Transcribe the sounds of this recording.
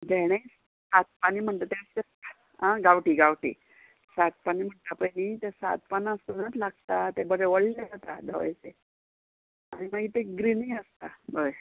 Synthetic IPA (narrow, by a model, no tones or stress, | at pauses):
dʱeɽ̃es | sat̪̚paniːm̤əɳt̪at̪eəstest̪a | ɦãɡaʋʈiːɡaʋʈḭː | sat̪̚paniːm̤əɳt̪apəjnit̪esa̰t̪̚panãəst̪ənat̪ʰlaɡ̚t̪at̪ebəɽeʋəɭlad͡zat̪a̰d̪əʋa̰jt͡se | aɽ̃imaɡit̪eɡɾiniəst̪abəe